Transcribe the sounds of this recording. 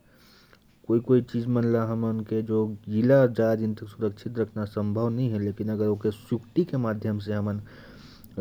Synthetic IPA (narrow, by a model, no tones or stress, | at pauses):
koːikoːit͡ʃiːd͡ʒmənlaɦəmənked͡ʒoːd͡ʒilad͡ʒad͡ʒɪnt̪əksʊɾəkt͡ʃʰit̪ɾəkʰnasə̃mbʱəʋnɐɦĩɦɛ̃leːkinəɡəɾoːkesjʊkʈ̪ikemaːd̪ʱjəms̬eɦəmən